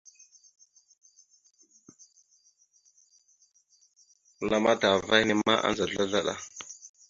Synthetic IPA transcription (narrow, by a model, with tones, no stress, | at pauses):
la˦ma˦ta˨va˦jni˦ma˦ʔa̰˦nza˨ɮa˦ɮa˦ɗa̰˦˨